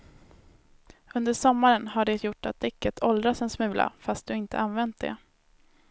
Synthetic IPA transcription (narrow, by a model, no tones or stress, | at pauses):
ɵnd̪əʂɔmːaɾənhaɖɛt̪ʰjʊʈːat̪̚d̪ɪkːət̪ʰɔld̪ɾasɛnsmʉ̟ːlʔa̰fast̪̚d̪ɵɪnt̪ə̰ʔanvɛnt̪̚d̪ɛ̰